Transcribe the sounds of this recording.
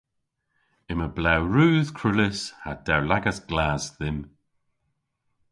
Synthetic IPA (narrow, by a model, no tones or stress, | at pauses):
ɪməblawɹuːð̥kʰɹʊlɪshad̪̥awlaɡasɡ̥laːzðɪm